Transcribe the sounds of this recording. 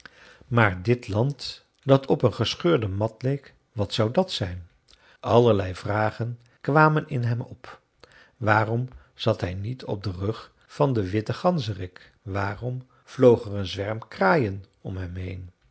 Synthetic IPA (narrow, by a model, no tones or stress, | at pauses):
maːɹdɪtlɑnt | d̥ɑtʰɔpənχəsχøːɹdəmɑtlejk | ʋɑtsɑwdɑtsɛjn | ʔɑləɹlɛjv̥raːχən | kʋaːmənɪnɦɛmɔp | ʋaːrɔm | z̥ɑtɦɛjnitʰɔ̰b̚dərɵχ | fɑndəʋɪtəχɑnzərɪk | ʋaːrɔm | v̥lowχərənzʋɛɹmkraːjən | ɔmɦɛmɦejn